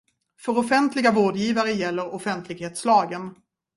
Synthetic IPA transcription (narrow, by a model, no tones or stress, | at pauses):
fœɾɔfɛnt̪lɪɡavoːɖjiːvaɾəjɛlːəɾɔfɛnt̪ʰlɪɡheːt̪slɑːɡən